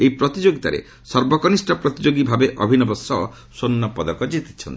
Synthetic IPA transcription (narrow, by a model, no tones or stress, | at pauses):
ejpɾɔt̪id͡ʒoɡit̪a̰ɾḛ | sɔɾbɔkɔnisʈɔpɾɔt̪id͡ʒoɡibʱabeʔɔ̰bʱinɔbɔsːɔɔ̰ | sonːɔpɔd̪ɔkɔd͡ʒit̪i̥t͡ʃʰɔnt̪i